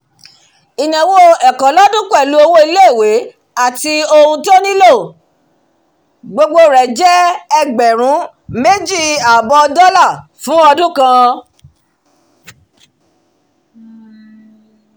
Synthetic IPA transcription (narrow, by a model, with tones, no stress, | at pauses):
i˨nã˨wo˦ɛ˨kã˨lɔ˦dũ˦klu˨˦o˧wo˦i˧le˦˨we˨˦ | a˦˨ti˧o˧hũ˧to˦nĩ˦lo˦˨ | ɡ͡bo˧ɡ͡bo˧ɾɛ˨d͡ʒɛ˦ɛ˦ɡ͡bɛ˨ɾ̃ũ˨˦ | me˦d͡ʒi˦˨a˨bɔ˧dɔ˦la˦˨ | fũ˨˦ɔ˧dũ˦kã˧